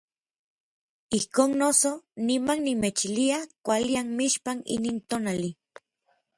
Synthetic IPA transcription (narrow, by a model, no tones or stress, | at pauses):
ihkoːnnosonimannimet͡ʃiliakʷalianmiʃpanḭniːnt̪onali